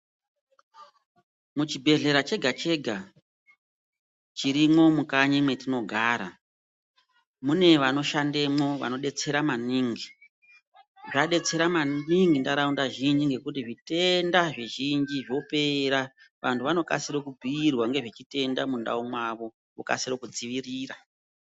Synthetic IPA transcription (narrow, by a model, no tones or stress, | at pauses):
mut͡ʃibʱe̞ɮe̞ɾat͡ʃe̞ɡʱat͡ʃe̞ɡʱa | t͡ʃiɾimo̞mukaɲemwe̞tino̞ɡʱaːɾa̰ | mune̞ʋano̞ʃande̞mo̞ʋa̰no̞ɗe̞t͡se̞ɾamaniːŋɡi | ʐaɗe̞t͡se̞ɾamaniŋɡindaɾaundaʒind͡ʒiŋɡe̞kutiʐite̞ndaʐiʒind͡ʒiʐo̞pe̞ɾa | ʋantʰuʋano̞ka̰siɾokubʱiːrwaŋɡe̞ʐit͡ʃite̞ndamunda̰umwaʋo̞ | uka̰sirokud͡ziʋiriːra